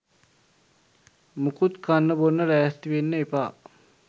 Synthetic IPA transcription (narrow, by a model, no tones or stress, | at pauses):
mukut̪kanːəbonːəɾæːst̪iʋenːəepaː